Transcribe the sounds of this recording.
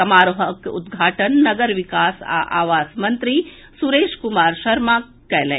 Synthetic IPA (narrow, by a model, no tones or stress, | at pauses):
ɐmaːɾoɦəkʊ̰d̪ɡʱaːʈənːɐɡəɾʋɪkaːsa̰ʔa̰ːʋaːsmɐ̃nt̪ɾi | suɾeːʃkʊmaːɾʃɐɾma | kːɛɦlḛ̃ː